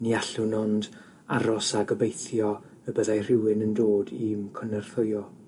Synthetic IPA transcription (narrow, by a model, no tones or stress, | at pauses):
niaɬʊnɔnd | aɾɔsaɡəbejθjɔ | əbəðajr̥ɪwɪnəndoːdiːmkʰɔnərθʊjɔ